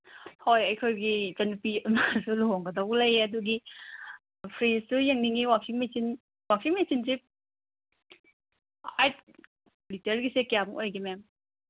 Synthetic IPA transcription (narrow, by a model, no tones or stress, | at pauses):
hojɐjkʰojɡizɐnpiunasuloŋɡɐdɐwlɐjɐduɡi | pʰɾissujeŋniŋiwaksʰiŋmesin | waksʰiŋmesinsip̚ | ajt̚ | liteɾɡisekjamuʔojɡimem